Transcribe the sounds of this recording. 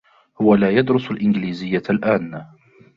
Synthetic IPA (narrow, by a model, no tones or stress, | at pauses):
hʊwalaːjad̪ɾʊsalʔɪnɡliːzɪjːalʔaːn